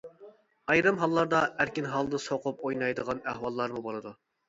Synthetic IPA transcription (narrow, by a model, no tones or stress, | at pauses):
ɑjɾɨmɦɑlˠːɑɾd̪ɑæɾkʲinɦɑlˠd̪ɨsoqʰʊp̚ojnɑjd̪əʁɑnæhwɑlˠːɑɾmubolˠɨd̪u